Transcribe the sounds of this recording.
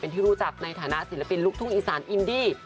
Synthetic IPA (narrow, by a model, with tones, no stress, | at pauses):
pe˧nt̪ʰiː˥˩ɾuː˦˥t͡ɕa˨˩k̚na˧jt̪ʰaː˩˦na˦˧˥ʔsi˨˩˦la˧pi˧nlu˦˥k̚t̪ʰu˥˩ŋʔiː˨˩saː˩˦nʔi˧ndiː˧˥˩